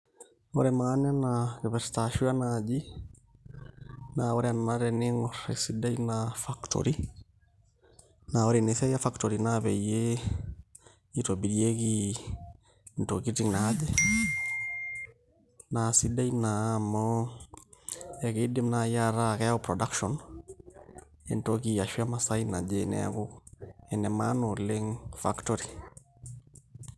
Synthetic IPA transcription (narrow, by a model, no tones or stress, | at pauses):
o̰ɾɛmanɛnakeβɛɾtaʃuanad͡ʒi | naɔɾɛanaɾɛniŋɔɾɛ̰sidainafaktʰɔ̰ɾi | naɔɾenesɛjafaktɔɾinaβɛje | itobiɾieki | ntokitiŋnaːd͡ʒɛ | nasidainamɔ | ɛɣedimnajaɾakɛjaopɾɔdakʃɔn | ɛ̰ntɔkijaʃwiamasainad͡ʒɛnɛ̰a̰ɣoɛnɛmanoleŋfaktɔɾi